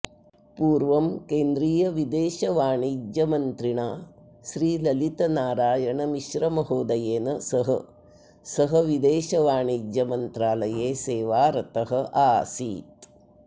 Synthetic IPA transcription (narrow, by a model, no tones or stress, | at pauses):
puːɾʋɐmkeːnd̪ɾiːjɐʋid̪eːʃɐʋaːɳiːd͡ʒjɐmɐnt̪ɾiɳaː | ʃɾiːlɐlit̪ɐnaːɾaːjɐɳɐmiʃɾɐmɐɦoːd̪ɐjeːnɐsɐɦɐ | sɐɦɐʋid̪eːʃɐʋaːɳiːd͡ʒjɐmɐnt̪ɾaːlɐjeːseːʋaːɾɐt̪ɐɦɐ̆aːsḭːt̪